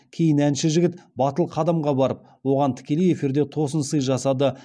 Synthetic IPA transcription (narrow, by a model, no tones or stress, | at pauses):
kʲʰe̞jɪnænʃɪʒɪɡʲɪt̪bɑt̪əlˠqʰɑd̪ɑmʁɑbɑɾəp̚ | wo̞ʁɑnt̪ʰɪ̥kʲe̞leje̞fiɾd̪e̞t̪ʰo̞sənsəjʒɑsɑd̪ə